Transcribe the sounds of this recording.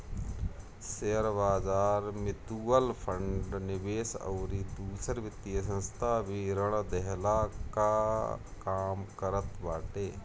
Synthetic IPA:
seəɾbaːd͡ʒaːɾmɪt̪uːəlpʰəɳɖnɪbeːsə̰ʊɾid̪uːsəɾʋɪt̪ːijəs̬ə̃nst̪ʰaːbiɾəɽ̃d̪ɛɦlakakaːmkəɾət̪baːʈeː

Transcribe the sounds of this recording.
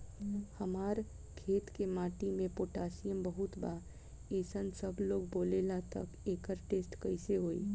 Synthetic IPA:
həmaːɾ | kʰeːt̪kemaːʈimẽpoːʈaːsijəmbəɦʊt̪baː | eːsənsəbloːɡboːlelat̪ə̰keːkəɾʈeːsʈkəɪseɦoːḭː

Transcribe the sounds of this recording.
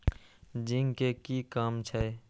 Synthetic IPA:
d͡ʒiŋɡkekikaːmt͡ʃʰɛ

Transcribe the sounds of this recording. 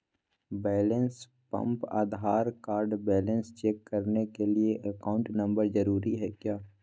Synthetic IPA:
bɛːləns | pɐ̰̃mpa̰ːd̪ɦaːɾkaːɾɖbɛːlə̃nst͡ʃɛːkːɐɾnekelieʔɐkaːʊ̃ɳʈnɐ̃mbəɾzɐɾuːɾiɦɛkjaː

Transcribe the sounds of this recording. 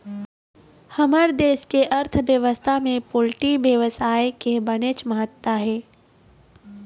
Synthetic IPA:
hɐməɾd̪eːʃkeʔɐɾt̪ʰbjəʋəst̪ʰamẽpoːlʈibjəʋəsaːekebənet͡ʃməɦət̪waɦɛː

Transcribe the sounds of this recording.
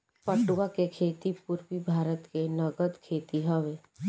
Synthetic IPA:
pɐʈʊwakekʰeːt̪ipuɾpibʱaːɾət̪kenɐɡəd̪kʰeːt̪iɦɐʋe

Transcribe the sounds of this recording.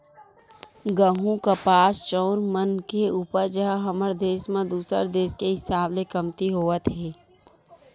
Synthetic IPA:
ɡəɦũkapaːst͡ʃɔːɾmənkeuːpəɾd͡ʒəɦɦəməɾd̪eːʃmẽd̪uːsə̰ɾd̪eːʃkeɦɪsaːblekəmt̪iɦoːət̪ɦɛː

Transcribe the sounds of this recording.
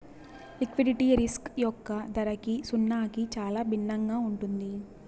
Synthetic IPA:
likʋiɖiʈiɾiskjɔkːɐd̪ɐɾɐkisunːaːkit͡ʃaːlaːbʱinːɐŋɡaːuɳʈund̪i

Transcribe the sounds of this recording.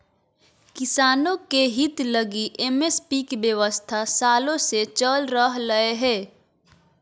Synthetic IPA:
kɪsaːnõkeɦɪt̪ləɡiʔeːmespikbjəʋəst̪ʰasaːlõset͡ʃəlɾəɦləeɦɛː

